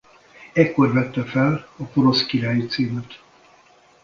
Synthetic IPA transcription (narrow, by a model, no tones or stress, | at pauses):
ɛkːo̞rvɛt̪ːɛfɛlɒpoɾo̞skiɾaːjit̪siːmɛt̪